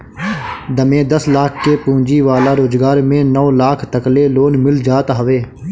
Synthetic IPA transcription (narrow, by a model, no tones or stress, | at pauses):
d̪əmẽːd̪əslaːkʰkeːpũːɲd͡ʒiːʋaːlaːɾoːd͡ʒɡaːɾmẽːnɔːlaːkʰt̪əkleːloːnmɪld͡ʒaːt̪ɦəʋeː